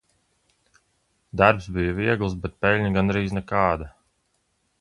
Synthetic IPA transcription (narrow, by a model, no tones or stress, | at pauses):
d̪aɾpsbijaviɛɡlˠs̬bɛt̪̚pɛlʲɲaɡanɾiːznɛkaːd̪a